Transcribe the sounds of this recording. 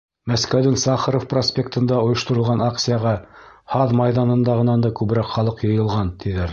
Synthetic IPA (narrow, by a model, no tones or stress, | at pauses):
mæskæwðɘŋsɑχəɾofprosʲpʲek̚t̪ɤ̆nd̪ɑŏjŏʃt̪ŏɾɤ̆lˠʁɑnɑksʲijɑʁɑhɑðmɑjðɑnɤ̆nd̪ɑʁɤ̆nɑnd̪ɑkʉβɾɑqχɑlˠɤqjɤ̆jɤ̆lˠʁɑnt̪iðɘɾ